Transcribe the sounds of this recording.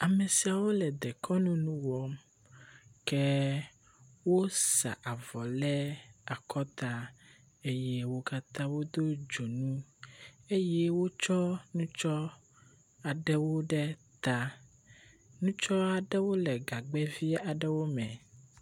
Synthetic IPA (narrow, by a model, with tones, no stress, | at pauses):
a˨mɛ˨si˨a˨wo˦lɛ˨d̪ɛ˨kʰɔ˦nũ˦nũ˦wɔ˦m | kɛ˦ | wo˦sa̰˨ʔa˨vɔ˨lɛ˦a˨kʰɔ˦t̪a˦ | e˦jɛ˦wo˦ka˦t̪ã˦wo˦d̪o˦d͡ʒo˨nũ˦ | e˦jɛ˦wo˦t͡ʃɔ˦nũ˦t͡ʃɔ˦ | a˨ɖɛ˦wo˦ɖɛ˦t̪a˦ | nũ˦t͡ʃɔ˦a˨ɖɛ˦wo˦lɛ˨ɡa˨ɡ͡bɛ˦vi˦a˨ɖɛ˦wo˦mɛ̰̃˨